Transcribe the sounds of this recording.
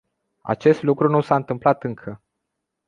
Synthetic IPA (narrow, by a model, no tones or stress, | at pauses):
a̰t͡ʃe̞st̪lukɾunusaɨnt̪ɨmplat̪ɨŋkʰə